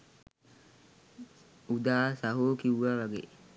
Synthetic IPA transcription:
ud̪aːsaɦoːkiwʋaʋaɡḛ

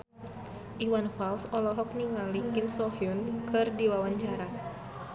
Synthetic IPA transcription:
ʔiwanfalsɔlɔɦɔk̚niŋalikɪmsɔɦiunkɨrdiwawaɲt͡ʃaɾa

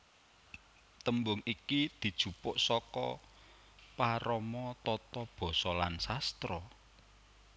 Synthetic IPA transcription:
t̪əmbʊŋikid̪̥i̤d̥ʒ̥ṳpʊʔsɔkɔ̰ | paɾɔmɔt̪ɔt̪ɔb̥ɔ̤sɔlansast̪ɾɔ

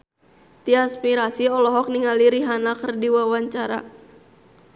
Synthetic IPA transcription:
t̪iaspiɾasiɔlɔɦɔk̚niŋaliɾiɦanakərdiwawaɲt͡ʃaɾa̰

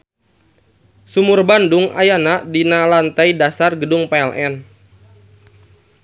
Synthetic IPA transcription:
sumʊrbandʊŋa̰janaʔdinalant̪ajdasarɡədʊŋpeɛlʔɛn

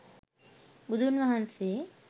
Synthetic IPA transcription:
bud̪ʱunʋaɦanse

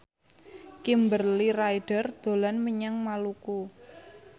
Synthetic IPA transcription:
kimbərliɾajɖ̥ərd̪̥o̤lanməɲaŋmaluku

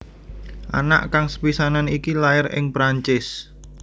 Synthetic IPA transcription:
ʔa̰na̰ʔkaŋsə̥pisananikilaɪrɪ̰ŋpɾaɲt͡ʃɪs

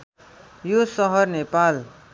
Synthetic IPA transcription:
josʌɦʌrnepal

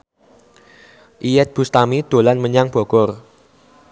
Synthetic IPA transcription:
ʔijɛt̪̚b̥ust̪amid̪̥o̤lanməɲaŋb̥ɔ̤ɡ̥ɔr

